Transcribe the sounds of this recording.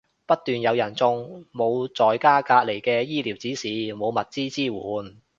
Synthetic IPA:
pɐ˥t̚t̪yː˨njɐ˨˧wjɐ˨˩nt͡sʊ˧ŋmo˨˧wt͡sɔː˨jkaː˥kaː˧t̚le˨˩jkɛː˧jiː˥liː˨˩wt͡siː˨˥siː˨˧mo˨˧wmɐ˨t̚t͡siː˥t͡siː˥wuː˨˧˥n

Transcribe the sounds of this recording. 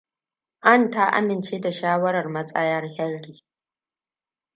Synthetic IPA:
ʔa˦˨nta˦ʔa̰˦mɪ˨nt͡ʃeː˦da˨ʃaː˦wɐ˦ɾɐ˨rmɐ˦t͡sʼɐ˦jɐ˦rhɛ˦rːiː˨

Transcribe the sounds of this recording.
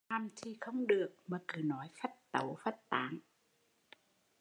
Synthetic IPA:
t̪ʰa˧mt̪ʰiː˧˩kʰɔ˧˥˩wŋ͡mdɯ˨˩ək̚maː˧˩kɯː˨˩nɔː˨˦jfa˧˥˩t̪̚t̪a̰˨˦wfa˧˩t̪t̪ːaː˨˦ŋ

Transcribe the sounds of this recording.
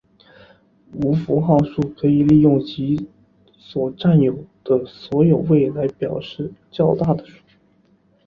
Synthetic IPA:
u˧˥fu˧˥xɑ˥˧ʊʂu˥˩kʰɤ˧˥i˨˩li˥˧jʊ˥˩ŋt͡ɕi˧˥ | swɔ˨˩ʈ͡ʂa˥˩njo˨˩ʊd̪̥ə˦swɔ˧˥jo˨˩ʊwe˥˩ɪla˧˥ɪpjɑ˨˩ʊʂɻ̩˥˩t͡ɕjɑ˥˧ʊt̪a˥˩d̪ə˩ʂu̥˥˩

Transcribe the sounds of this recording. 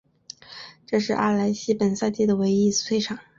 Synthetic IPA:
ʈ͡ʂɤ˥˧ʂɻ̩˥˧ʔa̰˥˩la˧˥ɪɕi˧˥pə˨˩nsa˥˧ɪt̪i˥˩d̪ə˩we˧˥ɪi˥t͡s̩˧˩t̪ʰwe˥˧ɪʈ͡ʂʰɑ˨˩˦ŋ

